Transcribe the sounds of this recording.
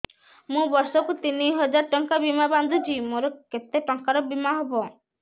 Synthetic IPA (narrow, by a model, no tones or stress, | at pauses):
mũbɔɾsɔkut̪iniɦɔd͡ʒaɾʈɔŋkabimaband̪ʱut͡ʃʰimoɾɔket̪eʈɔŋkaɾɔbimaɦɔbɔ